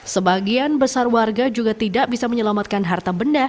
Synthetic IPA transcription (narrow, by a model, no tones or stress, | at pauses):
səbaɡianbəsarwarɡad͡ʒuɡat̪idaʔ̚bisaməɲəlamat̪̚kanɦart̪abənda